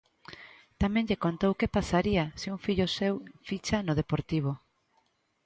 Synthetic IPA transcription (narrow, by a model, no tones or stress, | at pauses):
t̪amɛ̃ŋʎekont̪owkepasaɾiasiuŋfiʎʊsewfit͡ʃanʊð̞epoɾt̪iβ̞o